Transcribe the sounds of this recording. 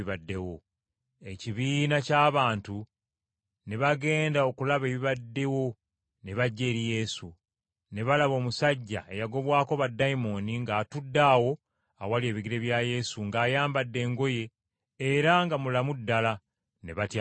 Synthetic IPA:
iβadːe̞wo | e̞ciβiːnacaːβaːntu | ne̞βaɡe̞ːndao̞kulaβe̞ːβiβadːe̞wo̞ | ne̞βaɟːe̞ːɾije̞su | ne̞βalaβo̞ːmusaɟːa̰ejaɡo̞βwaːko̞βadːajimo̞niŋɡaːtudːaːwo̞ | awalie̞ːβiɡiɾe̞βjaje̞suŋɡaːjaːmbadːe̞ːŋɡo̞je̞ː | ɾaŋɡamulamudːala | ne̞βata

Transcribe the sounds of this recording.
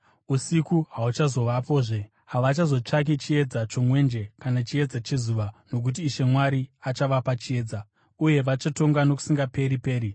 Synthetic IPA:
usikuɦaut͡ʃazo̞ʋapo̞ːʐe̞ | ɦaʋat͡ʃazo̞t͡ʂak̬it͡ʃie̞d͡zat͡ʃo̞mwe̞nd͡ʒe̞kanat͡ʃie̞d͡zat͡ʃe̞zuʋano̞k̬ut̬iːʃe̞mwaɾiat͡ʃaʋapat͡ʃie̞ːd͡za | uje̞ʋat͡ʃato̞ŋɡano̞ku̥siŋɡape̞ɾipe̞ːɾi

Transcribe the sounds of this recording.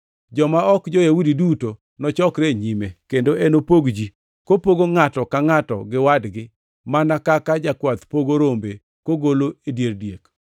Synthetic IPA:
d͡ʒɔmaɔkd͡ʒojawudiduto | nɔt͡ʃɔkɾeɲimekendoʔenopoɡd͡ʒi | kopoɡoŋatɔkaŋatɔ̰ɡɪwadɡɪ | manakakad͡ʒakwat̪poɡoɾombe | koɡoloedjerdjek

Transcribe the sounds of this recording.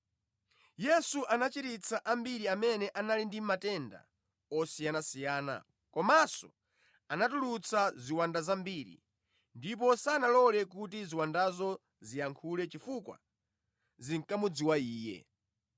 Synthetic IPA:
jɛsuʔanat͡ʃitit͡sʰaʔambiɾiamɛnɛʔanalindimatɛnda̰ | ɔsijanasijaːna̰ | kɔmasɔ̰ | anatulut͡sʰaziwandazambiɾḭ | ndip̬ɔsanalɔlɛkutiziwandazɔ | zijaŋkʰulɛt͡ʃifukwa̰ | ziŋkamud͡ziwaiːjɛ̰

